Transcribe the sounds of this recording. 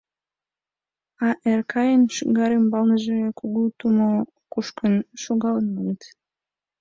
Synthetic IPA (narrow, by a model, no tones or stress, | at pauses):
ɑʔerkʰɑjənʃɣɑɾembɑlnəʒekuɣut̪umo | kuʃkənʃoɣɑlənmɑnət̪